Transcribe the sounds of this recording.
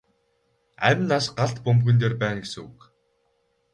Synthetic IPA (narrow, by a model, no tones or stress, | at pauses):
æ̰mʲnasɢaɮt̪pɵmɣɘ̆nt̪eːrpæːnɡesɘ̆ŋuk